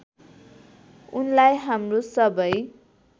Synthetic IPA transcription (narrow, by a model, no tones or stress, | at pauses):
unlajɦamrosʌbʌj